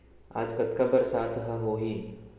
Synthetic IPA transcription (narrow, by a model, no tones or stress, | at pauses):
a̰ːd͡ʒkət̪kabəɾsat̪ʰɦəɦoɦi